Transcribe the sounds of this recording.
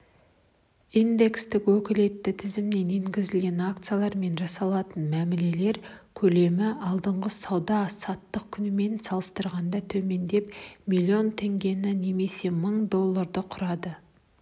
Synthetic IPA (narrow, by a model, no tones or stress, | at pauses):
ind̪e̞kst̪ɪkwɵkʲɪle̞t̪ːɪt̪ʰɪzɪmne̞ne̞ŋɡʲɪzɪlɡʲe̞nakt̪sɨjalˠɑɾme̞nʒɑsɑlˠɑt̪ənmæmɪle̞le̞ɾkʲʰɵle̞mɪɑlˠd̪əɴʁəsɑwd̪ɑsɑt̪ːəq̚kʲʰʏnɪme̞nsɑlˠəst̪əɾʁɑnd̪ɑt̪ʰɵme̞nd̪e̞pmilʲːio̞nt̪ʰe̞ŋɡʲe̞nɪne̞me̞se̞məɴd̪o̞lˠːaɾd̪əqʰʊɾɑd̪ə